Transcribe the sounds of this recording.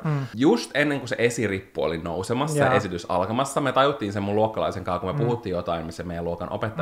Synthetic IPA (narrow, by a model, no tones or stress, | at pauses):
just̪enːeŋkusḛʔesiripːuo̰linowsemɑsːɑʔesit̪ysɑ̰lkɑmɑsːɑmet̪ɑjut̪ːiːnsemːuluokːɑlɑ̰iseŋkɑːkumepuhut̪ːiːjjot̪ɑimmisːæmejæluokɑnʔo̰pet̪ːɑ